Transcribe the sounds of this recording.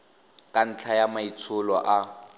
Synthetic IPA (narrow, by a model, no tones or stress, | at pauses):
kʼan̩t͡ɬʰajamait͡sʰʊlɔʔa